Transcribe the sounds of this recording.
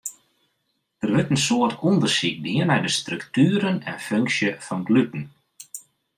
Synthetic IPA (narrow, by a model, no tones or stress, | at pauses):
d̥ərʋɪtənsoːərtɔndərsik̚dɪənɛjdəstrɵktyːɾənɛ̰nføŋksjəfɔnɡlytn̩